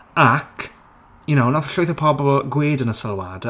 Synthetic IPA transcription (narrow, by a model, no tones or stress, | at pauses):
akʰ | jʊnownɔθɬʊjθəpʰɔbɔɡweːdənəsəlˠwad